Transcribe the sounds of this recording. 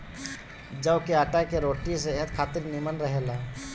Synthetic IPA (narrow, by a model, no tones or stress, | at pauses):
d͡ʒəʋkeaːʈakeɾoːʈiseɦəd̪kʰaːt̪ɪɾnimənɾəɦelaː